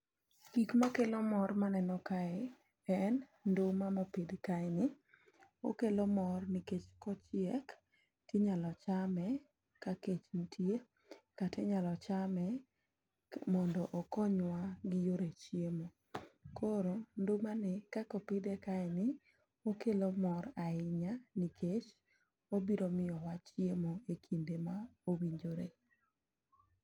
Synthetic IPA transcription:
kikmakelomɔrmanɛnɔkaɛ | ɛnndomamopidkaɪnɪ | o̰kelomɔrnɪket͡ʃkɔt͡ʃɪɛk | teɲalɔt͡ʃamɛ | kaket͡ʃn̩tʰje | katʰɛɲalɔt͡ʃamɛ | mɔndɔʔɔkɔɲwaɡɪjoɾet͡ʃiemo | kʰoɾondomanɛkakopɪdekaɛnɪ | okelomɔɾaɪɲanikʰet͡ʃ | obiɾomɪjɔwat͡ʃjemoekʰindemaowiɲd͡ʒoɾḛ

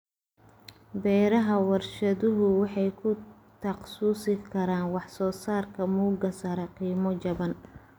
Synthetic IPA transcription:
bɛːɾɐɦɐwɐrʃɐðʊɦʊwɑħɑjkʰʊt̪ʰɐqsuːsɪkʰɐɾaːnwɑħsɔːsaːrkʰɐmuːɡɐsɐɾɐqiːmɔd͡ʒɐβɐn

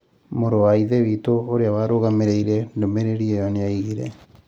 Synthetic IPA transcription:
moɾowaiðeβitoːɾeawaɾoɣameɾeiɾɛdomeɾeɾiejaneaiɣiɾɛ̰

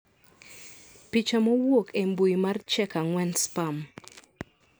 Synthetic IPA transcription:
pit͡ʃamɔwokembujmart͡ʃɛkaŋwɛnspam

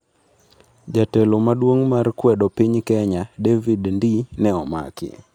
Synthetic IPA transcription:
d͡ʒatelomadwoŋmarkwɛdɔpiɲkɛɲadevidndinɛɔma̰kɪ̰

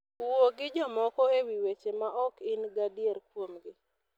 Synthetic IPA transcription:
oɡɪd͡ʒɔmɔkɔewiwet͡ʃemaʔɔkɪnɡadieɾk̚womɡɪ

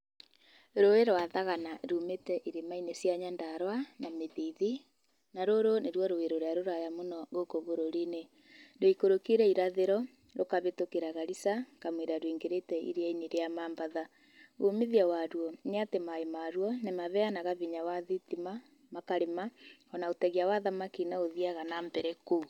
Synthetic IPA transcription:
ɾoeɾowaðaɣanaɾumetɛʔiɾemainesjaɲandaɾwanameðiði | naɾoɾoneɾwɔɾoweɾoɾeaɾoɾajamonɔɣokoβoɾoɾine | doikoɾokiɾɛiɾaðeɾɔ | ɾokaβetokeɾaɣaɾisakamweɾaɾwiŋɡeɾetɛḭɾeaineɾeamaːmbaða | omiðiawaɾwɔneatemaemaɾwɔnemaβɛanaɣaβiɲawaðitima | makaɾemaɔnaotɛɣiawaðamakinaoðiaɣanaːmbɛɾɛku

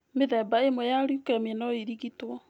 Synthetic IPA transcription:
meðɛbaemwɛjaɾjukɛmɛnɔiɾiɣitwɔ

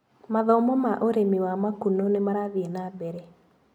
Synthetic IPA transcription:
maðɔmɔmaʔoɾemiwamakunonemaɾaðienabɛɾɛ

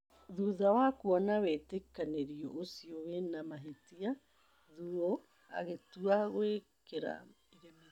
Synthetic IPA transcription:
ðuðawakuɔnawetekaneɾiɔ̰ʔosiɔwenamaɦetia | ðuɾo | a̰ɣetuaɣwekeɾa̰ | iɾema

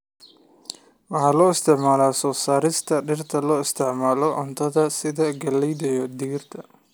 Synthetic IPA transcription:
wɑħɑːlɔːɪst̪ʰɪʕmaːlaːsɔːsaːɾɪst̪ʰɐɖɪrt̪ʰɐlɔːɪst̪ʰɪʕmaːlɔʔʊnt̪ʰɐðɐsɪðɐɡɐlɛjðɐjɔd̪iːrt̪ʰɐ

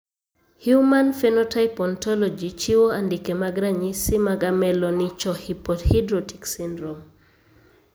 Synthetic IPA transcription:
hjumanfɛnɔtajpɔntɔlɔd͡ʒit͡ʃiwoandikemaɡɾaɲisimaɡamɛlɔnit͡ʃɔhipɔthidɾɔti̥ksindɾɔm

